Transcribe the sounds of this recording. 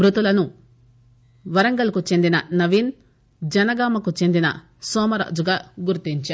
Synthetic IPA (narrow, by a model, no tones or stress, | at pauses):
ɾut̪ulɐnu | ʋɐɾɐŋɡɐlɐkut͡ʃe̞nd̪inɐnɐʋiːn | d͡ʒɐnɐɡaːmɐkut͡ʃe̞nd̪inɐ̰ | sɔːmɐɾa̰ːd͡ʒuɡaːɡuɾt̪iɲt͡ʃaː